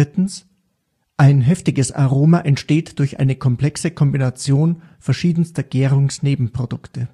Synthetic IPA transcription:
ɪtn̩s | ʔaɪnɦɛftɪɡəsa̰ʁoːmaʔɛntʃteːtd̥ʊɐçʔa̰ɪnəkʰɔmpl̥ɛksəkʰɔmbinat͡sjoːnfɛɐʃiːdn̩stɐɡ̥eːʁʊŋsneːbm̩pʁ̥od̥ʊktə

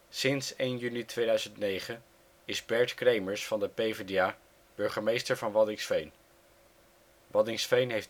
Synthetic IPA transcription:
sɪnsejnjynitʋejdœɥzəntnejχən | ɪzbɛɹtkrejməɹsfɑndəpejvedia | b̥ɵɹχəmejstəɹvɑnʋɑdɪŋsfejn | ʋɑdɪŋsfejnɦejf

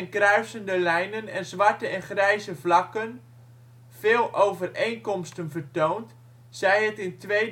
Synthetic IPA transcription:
ɛnkrœɥsəndəlɛjnənɛnzʋartəɛnχrɛjzəvlɑkən | v̥eːlˠʔowvəreːnkɔmstənvərtoːnt | sɛjɦətɪntʋej

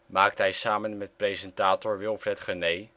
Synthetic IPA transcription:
maːk̚tɦɛjsaːmənmɛtprejzɛntaːtɔɹʋɪlˠfrɛtχənej

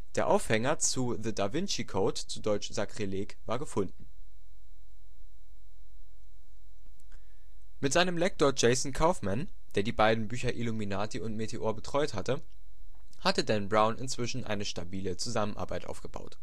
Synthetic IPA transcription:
d̥eːɐʔa̰ʊfhɛŋɐt͡suðədavɪnt͡ʃikʰoːtt͡sudɔʏt͡ʃz̥akʁ̥ileːkvaːɐɡəfʊndn̩ | mɪtz̥aɪnəmlɛk̚toːɐd͡ʒeɪsn̩kʰaʊfman | d̥eːɐdiːbaɪdn̩byːçɐʔɪluminaːtiʊntmetʰeʔoːɐbətʁ̥ɔʏthatə | hatədɛnbʁaʊnʔɪnt͡sv̥ɪʃn̩ʔa̰ɪnəʃtabiːlət͡suzamənʔa̰ɐbaɪtʔa̰ʊfɡ̥əb̥a̰ʊt

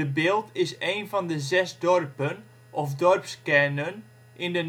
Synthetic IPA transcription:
əbɪlˠtɪseːnfɑndəzɛsdɔrpən | ʔɔfdɔrpskɛnən | ʔɪndən

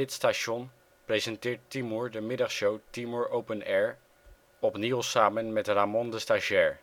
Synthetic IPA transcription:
ɪtstaʃɔn | prejzɛntɪːɹtimɔɹdəmɪdɑχsowtimɔɹowpənɛːɹ | ɔpnilˠsaːmənmɛtramɔndəstaʒɛɹ

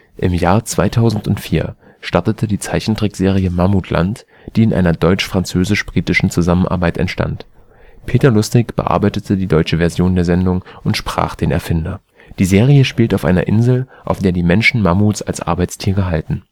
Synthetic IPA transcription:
ʔɪmjaːɐt͡sv̥aɪtʰaʊzn̩tʊntfiːɐ | ʃtaɐtətʰədiːt͡saɪçn̩tʁ̥ɪkz̥eːʁ̞iəmamutʰlʔa̰nt | d̥iːɪnʔa̰ɪnɐdɔʏt͡ʃfʁ̥ant͡søːzɪʃb̥ʁiːtɪʃn̩t͡suzamənʔa̰ɐbaɪtɛ̰ntʃta̰nt | pʰeːtɐlʊstɪkb̥ə̰ʔa̰ɐbaɪtətʰədiːdɔʏt͡ʃəvɛɐzjoːndeːɐzɛndʊŋʔʊntʃpʁ̥a̰ːχd̥eːnɛ̰ɐfɪndɐ | d̥iːzeːʁiəʃpiːltaʊfʔa̰ɪnɐ̰ʔɪ̰nzl̩ʔaʊfd̥eːɐdiːmɛnʃn̩mamusa̰lsʔa̰ɐbaɪt͡stʰiːʁ̞əɦaltn̩

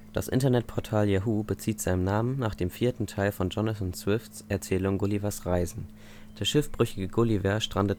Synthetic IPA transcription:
d̥a̰sʔɪ̰ntɐnɛt̚pʰɔɐtʰaːljaɦuːbət͡siːtz̥aɪnəmnaːmənnaːχd̥eːmfiːɐtn̩tʰaɪlfɔnd͡ʒɔnaθnsv̥ɪftsʔɛɐt͡sɛːlʊŋɡʊlivɐsʁaɪzn̩ | d̥eːɐʃɪfb̥ʁʏçɪɡəɡʊlivɛɐʃtʁ̥andət

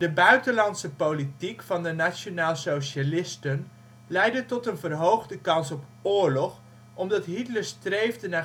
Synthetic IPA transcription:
dəbœɥtənlɑntsəpolitikfɑndənasonaːlˠsoʃalɪstən | lɛjdətɔtənvərɦowχdəkɑnsɔp | ʊːɹlɔχ | ʔɔmdɑtɦitləɹstrejvdəna

